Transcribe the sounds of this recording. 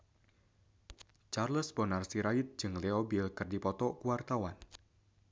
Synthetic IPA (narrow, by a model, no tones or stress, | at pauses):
t͡ʃarləsbɔnarsiɾaɪt̪̚d͡ʒɨŋleobilkɨrdipɔt̪ɔkuwart̪awan